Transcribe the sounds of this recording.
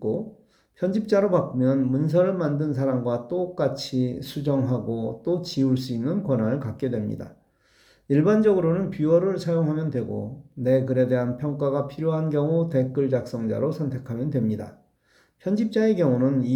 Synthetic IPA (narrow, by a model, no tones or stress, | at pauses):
ko | pʰjʌnd͡ʑip̚t͡ɕ͈aɾopak͈mjʌnmuns̬ʰʌɾɯɭmandɯns̬ʰaɾamɡwat͈ok͈at͡ɕʰisʰud͡ʑʌŋɦaɡot͈ot͡ɕiuɭs͈uinːɯnkwʌnɦanɯɭkak̚k͈e̞dwe̞mɲḭda̰ | iɭband͡ʑʌɡɯɾonɯnpjiwʌɾɯɭsʰajoŋɦamjʌndwe̞ɡo̰ne̞kɯɾe̞de̞ɦanpʰjʌŋk͈aɡapʰiɾjoɦankjʌŋute̞k͈ɯɭd͡ʑak̚s͈ʌŋd͡ʑa̰ɾosʰʌntʰe̞kʰamjʌndwe̞mɲida̰ | pʰjʌnd͡ʑip̚t͡ɕ͈ae̞kjʌŋunɯni